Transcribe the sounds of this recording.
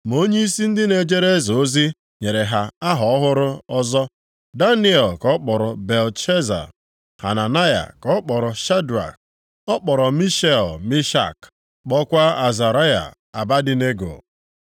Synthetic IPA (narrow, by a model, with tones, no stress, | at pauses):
m˨o˦ɲe˦i˦si˦n̩˦dɪ˦ne˨d͡ʒe˦ɾe˦zo˨˦zi˦ | ɲe˨ɾe˨ɦa˨a˦ɦɔ˨ɔ˦ɦʊ˦ɾʊ˦ɔ˦zɔ˦ | da˦ni˦ɛ˨lkɔ˦k͡pɔ˨ɾɔ˨be˨lt͡ʃe˦za̰˨ | ha̰˨na˨na˦ja̰˨kɔ˦k͡pɔ˨ɾɔ˨ʃa˦da̰˨k̚ | ɔ˦k͡pɔ˨ɾɔ˨mi˦ʃe˦˨lmi˦ʃa̰˦˨k | k͡pɔ˦kʷa˦a˨za˨ɾa˦ja̰˨ | a˨ba˦dɪ˨ne˦ɡo̰˨